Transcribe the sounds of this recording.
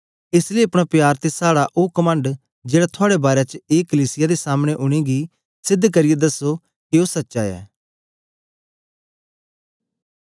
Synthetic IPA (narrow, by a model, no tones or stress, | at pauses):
ɪsleːɐpɽ̃apjaːɾt̪esaːɽaʔoːkəmə̃ɳɖ | d͡ʒeːɽat̪ʰʊaːɽebaːɾet͡ʃeːkəliːsɪjad̪esaːmɽ̃eʔʊɽ̃eɡi | sɪd̪ʱːkɐɾɪjed̪ɐso | keoːsɐtːʃaɛ̰ː